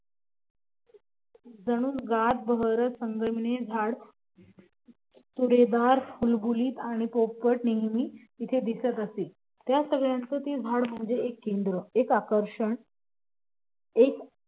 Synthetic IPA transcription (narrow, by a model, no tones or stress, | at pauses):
d͡zəɽ̃uːnɡat̪̚bəɦəɾəsəŋɡəmined͡zʱaɽ | t̪uɽed̪aɾfulbuliːt̪aɽ̃ipopːəʈneɦmiː | it̪ʰed̪isət̪əse | t̪jasəɡɭjãnt͡səːt̪ed͡zʱaɽm̤əɳd͡zeekːend̪ɾəekakəɾʂəɳ | ek